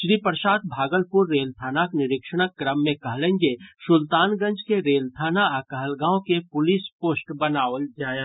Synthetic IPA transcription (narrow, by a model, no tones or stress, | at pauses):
ʃɾipəɾʃaːt̪̚bʱaːɡəlpʊɾːeːlt̪ʰaːnaknɪɾɪkʃəɽ̃əkːɾəmːẽkɐɦlẽːŋɡesʊlt̪aːnɡə̃ɲd͡ʒkeɾeːlt̪ʰaːnaaːkəɦəlɡãːõkepʊlispoːsʈbɐnaːʋəld͡ʒaːjãː